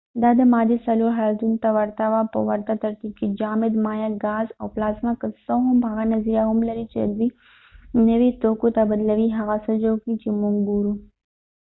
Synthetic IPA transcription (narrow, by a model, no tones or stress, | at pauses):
d̪ɐd̪ɐmaːd̪isɐloɦald̪unt̪aʋɐɾt̪aʋapɐ̰ʋɐɾt̪at̪ɐɾt̪ikid͡ʒaːmɪd̪maːjaɡaːzɐ̰wplaːzmakəsoɦumbʱaːɡanɐziɾjaːɦumlɐɾit͡ʃḛd̪zi | nɐʋit̪oːkut̪abəd̪ləʋiɦɐɣasɐd͡ʒoːkit͡ʃimuŋɡuɾu